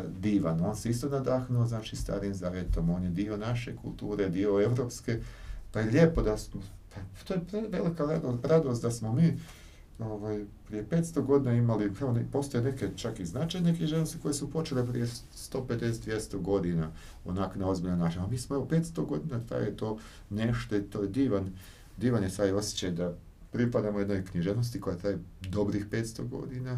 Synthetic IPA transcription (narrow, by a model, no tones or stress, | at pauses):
d̪iːʋa̰no̞ːnseist̪o̞nad̪axnuoznaːt͡ʃist̪a̰ːɾimzaːʋje̞t̪o̞mo̞ːnjed̪io̞naʃe̞̰kṵlˠt̪uːɾe̞d̪io̞e̞ʋɾo̞ːpske̞pajeʎeːpo̞d̪asmopat̪oːjepɾeʋe̞likaɾad̪oɾad̪o̞st̪d̪asmo̞miː | o̞ʋaːjpɾije̞pet̪st̪o̞ɡo̞d̪iːnaimalikɾaʋonpo̞st̪ojene̞ket͡ʃakiznat͡ʃajnekɲʲiʒenost̪i̥ko̞je̞supo̞t͡ʃelepɾḭje̞ | st̪o̞ːped̪e̞set̪d̪ʋjest̪oɡo̞d̪ina | o̰naknao̞zbiʎnonaːt͡ʃiɲamiːsmoeʋope̞ːt̪st̪o̞ɡo̞d̪iːnat̪a̰jjet̪o̞ː | neʃt̪oit̪oːjed̪iːʋan | d̪iːʋanjet̪aːjo̞sje̥t͡ɕajed̪a | pɾipad̪amoje̞d̪no̞jkɲiʒenost̪ikojat̪ɾaːjd̪o̞bɾixpeːt̪st̪o̰ɡo̞̰d̪ina